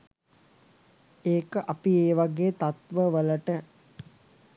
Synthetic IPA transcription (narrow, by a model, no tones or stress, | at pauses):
eːkəʔapieːʋaɡeːt̪at̪ʋəʋələʈə